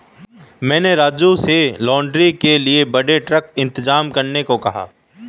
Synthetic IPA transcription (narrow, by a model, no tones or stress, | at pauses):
mɛ̃ːneɾaːd͡ʒuselɔːɳɖɾikeliebɐɽeʈɾəkɪ̃nt̪ɪzaːmkɐɾnekokɐɦa̰ː